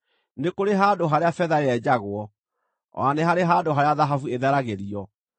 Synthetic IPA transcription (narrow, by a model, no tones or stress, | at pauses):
nekoɾeɦadoɦaɾeafɛðaeɛd͡ʑaɣwɔ̰ | anɛɦaɾeɦadoɦaɾeaðaɦafueðɛɾaɣeɾiɔ